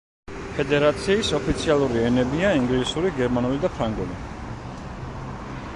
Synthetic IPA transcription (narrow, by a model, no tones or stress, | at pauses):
pʰɛd̪ɛɾat̪sʰiːsɔpʰit̪sʰialˠuɾiɛnɛbiaiŋɡlisuɾiɡɛɾmanulid̪apʰɾaŋɡuli